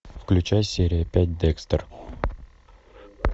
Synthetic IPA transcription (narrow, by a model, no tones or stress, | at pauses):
fklʲʉt͡ɕæjsʲeɾʲɪjəpʲæt̚ʲd̪ɛkst̪ər